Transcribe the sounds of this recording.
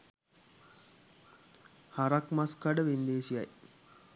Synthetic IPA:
haɾakmaskaɖəʋend̪eːsija̰j

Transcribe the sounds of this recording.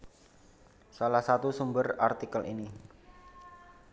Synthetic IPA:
salahsat̪usumbərart̪ikəlʔḭni

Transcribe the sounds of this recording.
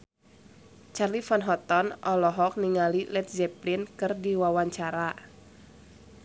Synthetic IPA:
t͡ʃarlifɔnɦɔt̪ɔnʔɔlɔɦɔk̚niŋalilɛt̪̚zɛplinkɨrdiwawaɲt͡ʃaɾa

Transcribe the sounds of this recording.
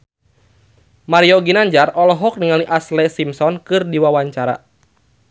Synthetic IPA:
maɾiɔɡinaɲd͡ʒarɔlɔɦɔk̚niŋaliʔaslɛsimsɔnkɨrdiwawaɲt͡ʃaɾa̰

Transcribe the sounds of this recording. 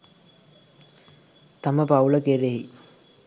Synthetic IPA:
t̪aməpauləkeɾeɦi

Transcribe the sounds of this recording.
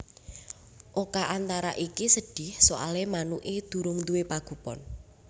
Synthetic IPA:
ʔokaʔant̪aɾa̰ʔikisəɖ̥ɪ̤hsoʔa̰lemanuʔed̪̥ṳɾʊŋt̪uwepaɡ̥ṳpɔ̰n

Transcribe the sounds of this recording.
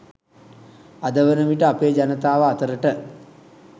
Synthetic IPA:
ad̪əʋənəmiʈəapeːd͡ʒanət̪aːʋəat̪əɾəʈə

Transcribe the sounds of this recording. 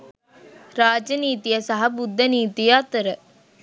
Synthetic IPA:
ɾaːd͡ʒɐniːt̪ijɐsɐɦɐbud̪ʱːɐniːt̪ijaːt̪əɾə

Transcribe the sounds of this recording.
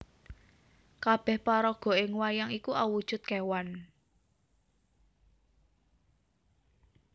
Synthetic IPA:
kab̥ɛ̤hpaɾɔɡ̥ɔ̤ʔɪŋwajaŋikuʔawud̥ʒ̥ʊ̤t̪̚kewan

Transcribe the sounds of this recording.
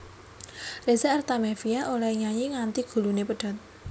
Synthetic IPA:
rezaart̪amefiaʔolaiɲaɲiŋant̪iɡ̥ṳlunepəɖ̥a̤t̪̚

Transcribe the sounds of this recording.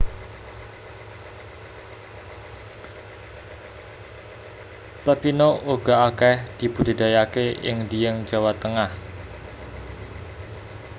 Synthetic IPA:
pəpinouɡ̥a̤ʔakɛhd̪̥i̤b̥ud̪̥i̤d̪ajakeʔɪ̰ŋdijəŋ̥d͡ʒa̤wat̪əŋah

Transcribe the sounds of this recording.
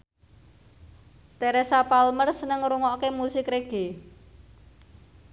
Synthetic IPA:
t̪ɛɾɛsapalmərsənəŋɾuŋɔkemusɪkɾeɡ̥e

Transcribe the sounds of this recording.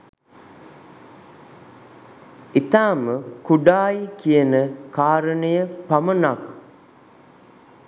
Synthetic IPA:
it̪aːməkuɖaːjikijənəkaːɾənəjəpamənak

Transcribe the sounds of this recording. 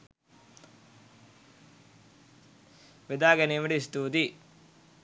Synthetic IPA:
ʋid̪aːɡɐnimɐɖist̪ut̪i

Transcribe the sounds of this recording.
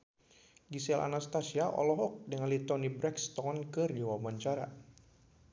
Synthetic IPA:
ɡisɛlʔa̰nast̪asiaʔɔ̰lɔɦɔk̚dəŋalit̪ɔnibɾɛkst̪ɔŋɔnkɨrd͡ʒiwabaɲt͡ʃaɾa

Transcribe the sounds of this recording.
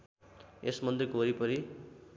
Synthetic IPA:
esmʌnd̪ekoɾipʌɾi

